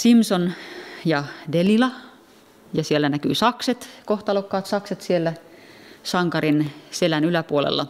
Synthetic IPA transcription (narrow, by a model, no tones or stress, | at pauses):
simsonjɑdelilɑ | jɑsielːænækyːsɑkset̪koht̪ɑlokːɑːt̪sɑkset̪sielːæ | sɑŋkɑrinselænylæpuolḛlːɑ̰